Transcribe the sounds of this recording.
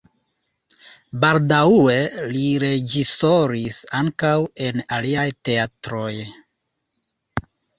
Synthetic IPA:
baldaue̞liɾe̞d͡ʒisoɾisaŋkawe̞naliajte̞atɾo̞j

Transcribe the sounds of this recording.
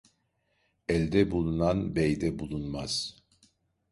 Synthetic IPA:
ɛlʲd̪ɛbulˠunanbɛjd̪ɛbulˠunmaz̥

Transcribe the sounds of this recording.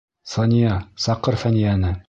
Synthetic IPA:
sɑnʲijɑsɑqːɤɾfænijænɘ

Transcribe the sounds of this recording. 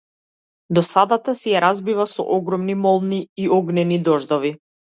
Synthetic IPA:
d̪ɔsad̪at̪asɛjaɾazbivasɔ̰ʔɔɡɾɔmnimɔlˠniiɔɡnɛnid̪ɔʒd̪ɔvi

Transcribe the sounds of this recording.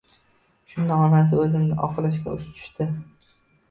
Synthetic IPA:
ʃʊnd̪aɒnas̬ɪɵzɪnʔɒ̰qʰɨlˠɪʃkʲa̰ʊʃt̪ʰʊ̥ʃt̪ɪ

